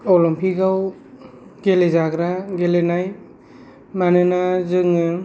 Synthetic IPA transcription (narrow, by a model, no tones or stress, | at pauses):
ɔlɔmpʰiɡaw | ɡ̥elezaɡɾaɡelenaj | manɯnazɯŋɯ